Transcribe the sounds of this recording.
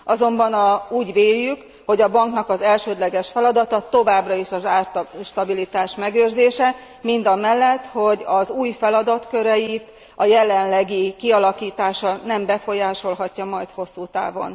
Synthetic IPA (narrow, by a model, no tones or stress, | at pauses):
ʔɒzo̞mbɒnɒuːɟveːjːyk | ho̞ɟɒbɒŋknɒkɒzɛlʃøːd̪lɛɡɛʃfɛlɒd̪ɒt̪ɒt̪o̞vaːbrɒiʃɒzaːrʃt̪ɒbilit̪aːʃmɛɡøːrzeːʃɛ | mind̪ɒmɛlːɛt̪ho̞ɟɒzuːjfɛlɒd̪ɒt̪køɾɛjit̪ | ɒjɛlɛnlɛɡikiɒlɒkiːt̪aːʃɒnɛmbɛfo̞jaːʃo̞lɦɒcːɒmɒjt̪ho̞sːuːt̪a̰ːvo̞̰n